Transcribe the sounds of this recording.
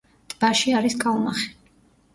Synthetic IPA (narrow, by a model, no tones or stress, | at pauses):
d̪̥ʼbaʃiaɾiskʼaumaχɛ̥